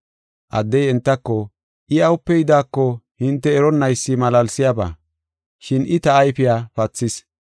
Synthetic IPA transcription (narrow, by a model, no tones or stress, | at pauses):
ʔɐ̰d̪ːɛjɛnt̪ːɐkːɔ | ʔɪɐwʊpːɛjɪd̪aːkːɔhɪnt̪ːɛːɾɔnːɐjsːɪmɐlɐlsɪjaba̰ː | ʃɪnʔɪt̪ɐːjfɪjaːpɐt͡sːɪs